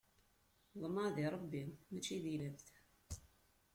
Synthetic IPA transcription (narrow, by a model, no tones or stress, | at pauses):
ðˤmɑðɪɾˤəbːimmæt͡ʃːiðilæfθ